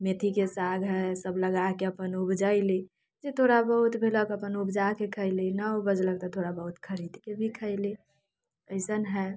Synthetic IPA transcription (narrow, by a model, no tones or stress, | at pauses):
met̪ʰikesaɡʱɦɛsəbləɡakeəpənʊbd͡ʒaɪli | d͡ʒet̪ʰoɾabəɦʊt̪bʱiləkəpənʊbd͡ʒakekʰəɪlinəobəd͡ʒləɡ̚t̪ɔt̪ʰoːɾabəɦʊt̪kʰəɾiːd̪kebʱikʰəɪli | əɪsənɦɛ